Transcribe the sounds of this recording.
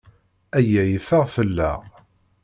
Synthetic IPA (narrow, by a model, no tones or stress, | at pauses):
æjæjəfəʁfəlːæ̰ʁ